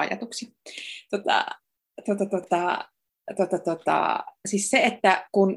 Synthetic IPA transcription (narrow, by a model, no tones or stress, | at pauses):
ɑ̰jɑ̰t̪uksit̪ot̪ɑ̰ | t̪uot̪ɑt̪ot̪ɑ | t̪uot̪ɑt̪ot̪ɑ̰sisseet̪ːækun